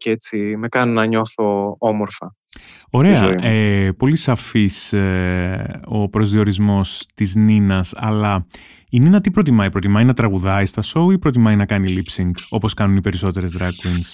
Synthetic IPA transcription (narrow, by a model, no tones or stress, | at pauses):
ceet͡sime̞kɐninɐɲo̞θo̞omo̞ɾfɐ | o̞ɾe̞ɐepo̞lisɐfise | o̞pɾo̞zðio̞ɾizmo̞st̪izninɐsɐ̰lɐ | ininɐt̪ipɾo̞t̪̬imɐipɾo̞t̪imɐinɐt̪ɾɐɣuðɐist̪ɐso̞uipɾo̞t̪imɐinɐkɐnilipsiŋɡo̞po̞skɐnunipe̞ɾiso̞t̪e̞ɾe̞zd̪ɾɐkwins